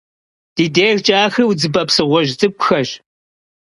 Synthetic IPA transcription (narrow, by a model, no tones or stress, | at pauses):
d̥iːdeːrt͡ʃʼaːxɨwd͡zɨbɐpsɨʁʷɔʑt͡sʼɨkʷʼʊxɐʒ